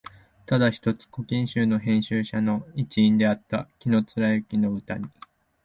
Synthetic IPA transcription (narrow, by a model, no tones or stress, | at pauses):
t̪ad̪açi̥t̪o̞t͡sɨ̥ko̞kʲĩɕɨːno̞ɦẽ̞ɰ̃ɕɨːɕano̞it͡ɕĩːnd̪e̞at̪ːa̰kʲino̞t͡sɨɾaɯkʲino̞ɯ̟t̪aɲ̟i